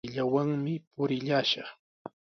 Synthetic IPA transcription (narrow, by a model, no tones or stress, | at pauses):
ʎawaŋmɪpʊɾɪʎaːʃɑχ